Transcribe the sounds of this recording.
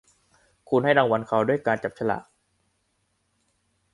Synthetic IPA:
kʰu˧nha˥˩jɾaː˧ŋwa˧nkʰa˨˩wdu˥˩əjkaː˧nt͡ɕa˨˩p̚t͡ɕʰa˧la̰ː˨˩k̚

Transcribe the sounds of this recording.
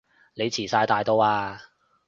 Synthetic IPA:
ne˨˧jt͡sʰiː˨˩saː˧jt̪aː˧jt̪o˥waː˧

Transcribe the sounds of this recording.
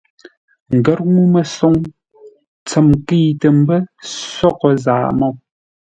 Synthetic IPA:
ŋ̩˨ɡə˦ɾ̚ŋu˦mə˨sɔ˦ŋ | t͡sə˨mki˦tə˨m̩˦bə˦sɔ˦˨kə˦za̰ː˨mɔ˦˨

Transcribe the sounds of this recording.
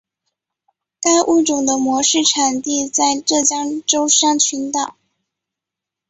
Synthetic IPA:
ka˥ɪʔu˥˩ʈ͡ʂʊ˨˩ŋd̪ə˦mwɔ˧˥ʂɻ̩˥˩ʈ͡ʂʰa˨˩nt̪i˥˧t͡sa˥˧ɪʈ͡ʂɤ˥˩t͡ɕjɑ˥ŋʈ͡ʂo˥ʊʂɑ˥˩ŋt͡ɕʰy˧˥nt̪ɑ˨˩˦

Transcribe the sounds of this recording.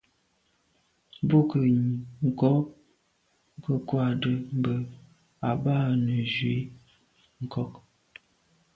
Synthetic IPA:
bo˦kə˨ŋ˨kɔ˦ | kə˦kwa˦˨də˨m̩˨bə˦˨ | a˨baː˦˨nə˨zɥi˨˦ | ŋ̩˨kɔ˦k

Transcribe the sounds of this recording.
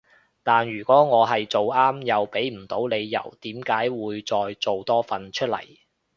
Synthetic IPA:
t̪aː˨njyː˨˩kʷɔː˨˥ŋɔː˨˧ɦɐ˨jt͡so˨waː˥mjɐ˨wpe˨˥jm̩˨˩t̪o˨˥wne˨˧jːɐ̰˨˩wt̪iː˨˥mkaː˨˥jwuː˨˧jt͡sɔː˨˧jt͡so˨wt̪ɔː˥fɐ˨nt͡ʃʰɵ˥t̚lɐ̰˨˩j

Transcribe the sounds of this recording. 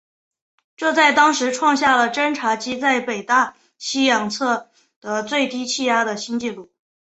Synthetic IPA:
ʈ͡ʂɤ˥˧t͡sa˥˩ɪt̪ɑ˥ŋʂɻ̩˧˥ʈ͡ʂʰwɑ˥˧ŋɕja˥˩lə˩ʈ͡ʂə˥nʈ͡ʂʰa˧˥t͡ɕi˥t͡sa˥˩ɪpe˨˩ɪt̪a˥˩ | ɕi˥jɑ˨˩ŋt͡sʰɤ˥˩ | d̪̥ə˩t͡swe˥˩ɪt̪i˥t͡ɕʰi˥˧ja˥d̪ə˨ɕi˥nt͡ɕi˥˧lu˥˩

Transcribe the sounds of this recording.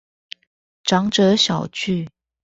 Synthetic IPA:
ʈ͡ʂɑ˧˥ŋʈ͡ʂɤ˧˥ɕjɑ˨˩ʊt͡ɕy˥˩

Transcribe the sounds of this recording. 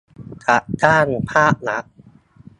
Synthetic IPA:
kʰa˨˩ʔkaː˥˩npʰaː˥˩p̚na˦˥ʔ̚

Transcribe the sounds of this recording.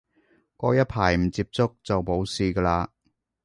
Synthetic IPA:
kɔː˧jɐ˥t̚pʰaː˨˩jm̩˨˩t͡siː˧p̚t͡sʊ˥k̚t͡sɐ˨wpo˨˥wsiː˨kəː˧laː˧

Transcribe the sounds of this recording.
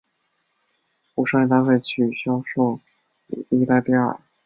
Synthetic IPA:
pu˧˥ʂɑ̃˥˩˧i˥˩t̪a˥˧xe˥˧ɪt͡ɕʰy˨˩ɕjɑ˥ʊʂo˥˩ʊ˨˩ | i˥t̪a˥˧li˥˧ə̰˥˩

